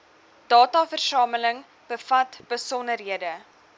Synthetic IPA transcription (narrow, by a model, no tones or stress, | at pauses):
d̥ɑːtɑfərsɑːmələŋ | b̥əfɐtb̥əsɔnərɦiədə